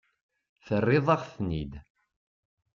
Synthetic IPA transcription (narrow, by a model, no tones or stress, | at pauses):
θərːɪðˤɑʁθnḭd̪